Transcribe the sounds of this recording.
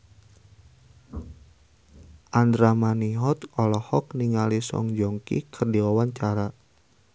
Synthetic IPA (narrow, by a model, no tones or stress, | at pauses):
ʔandɾamaniɦɔt̪ɔlɔhɔk̚niŋalisɔ̰ŋd͡ʒɔŋkḭkʰɨrdiawaɲt͡ʃaɾa